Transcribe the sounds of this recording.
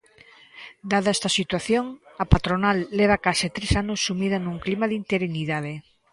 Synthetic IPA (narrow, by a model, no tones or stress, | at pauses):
d̪aðɐɛst̪ɐsit̪waθjoŋɐpat̪ɾonalːeβ̞akasɪt̪ɾesanosːumiðɐnũŋklimaðint̪eɾiniðað̞e